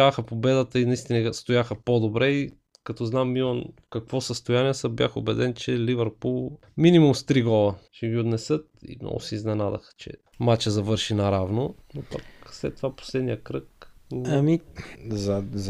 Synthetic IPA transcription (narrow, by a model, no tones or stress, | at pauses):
axəpobɛd̪ət̪əinɐist̪inəst̪ojaxəpod̪obɾɛi | kɐt̪ɔznamːilˠɐnfkɐkvɔsəst̪ojaniɛsəbʲja̰xobɛd̪ɛnt͡ʃɛlivəɾpulˠ | minimumst̪ɾiɡɔlˠəʃɛɡiod̪nɛsɤt̪ḭmnɔ̰ɡʊ̰sɛiznɛnad̪ɐ̰xt͡ʃɛ̰ | mat͡ʃəzɐvɤɾʃinɐɾavnonopakslɛ̰t̪ːovapo̥slɛd̪nijəkɾɤkɐmizɐ